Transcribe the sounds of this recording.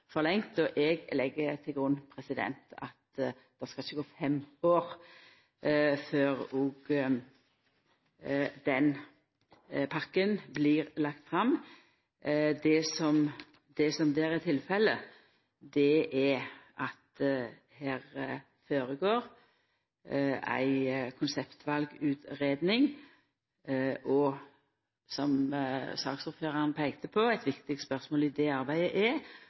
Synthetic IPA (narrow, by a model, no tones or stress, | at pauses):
fɔɾlɛŋt̪ɔʔɛɡlɛɡːət̪ʰɪlɡɾʊnːpʰɾɛsɪd̪ɛ̰nt̪ɑ̰t̪ | d̪̥ɛskɑlɪçːəɡoːfɛmoːɾ | føːʁuɡ | d̪̥ɛn | pʰɑkːənbliɾlɑkt̪fɾɑm | d̪ɛsɔm | d̪̥ɛsɔmd̪eːɾɛt̪ʰɪlfɛlːə | d̪ɛʔɛʔɑt̪ | hæːʁə | foːɾəɡoːɾ | æ̰ɪkʰʊnsɛpt̪ʰʋɑlɡʉːt̪ɾeːd̪nɪŋ | ʔɔ | sɔmsɑːksɔpføːɾɑnpʰæɪɡt̪ʰəpʰɔæɪt̪ʋɪkt̪ɪk̚t̪spœʁsmoːlɪd̪ɛɑɾbæɪəʔɛ